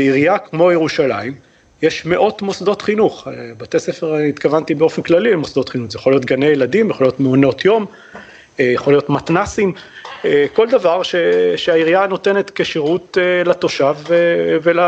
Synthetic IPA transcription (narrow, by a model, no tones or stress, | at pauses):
eiʁiakmo̞jeʁuʃalaim | jeʃme̞ʔo̞t̪mo̞sd̪o̞t̪χinuχebat̪esefeʁait̪kavant̪ibeo̞fenklalilmosd̪o̞t̪χinuχzejaχolijo̞t̪ɡanejelad̪imjaχolijo̞tmeono̞t̪jo̞m | jaχolijo̞t̪mat̪nasim | ko̞ld̪avaʁʃeʃeaiʁijano̞t̪e̞net̪keʃiʁut̪elat̪o̞ʃavevela